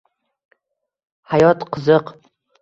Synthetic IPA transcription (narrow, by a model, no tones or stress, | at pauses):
hajɒt̪qʰɨzɨq